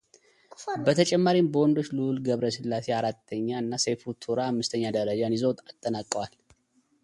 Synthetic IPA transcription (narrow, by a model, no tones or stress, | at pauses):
bət̪ʰət͡ʃʼɛmːaɾimbəwɔnd̪o̞t͡ʃːlulɡəβɾəsɨlːaseaɾat̪ʰːəɲːaɨnːasefut̪ʰuɾahamːɨst̪ʰəɲːad̪əɾəd͡ʒanizəwt̪ʼat̪ʼːənakʼːəwal